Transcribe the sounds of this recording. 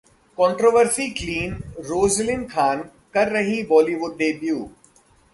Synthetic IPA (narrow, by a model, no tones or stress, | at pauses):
kɔ̃ːɳʈɾoːʋəɾsikliːnɾoːzlɪnkʰaːn | kɐɾːɐɦĩbɔːliʋʊɖːeːbjuː